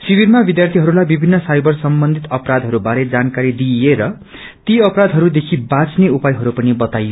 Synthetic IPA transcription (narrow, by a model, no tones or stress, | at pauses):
sibirmabid̪jart̪ʰiɦʌɾulajbibʱinːʌsajbʌrsʌmbʌnd̪ʱit̪ʌpɾad̪ʱɦʌɾubaɾed͡zankaɾid̪ieɾʌ | t̪iʌpɾad̪ɦʌɾud̪ekʰibãt͡sneupajɦʌɾupʌnibʌt̪ajo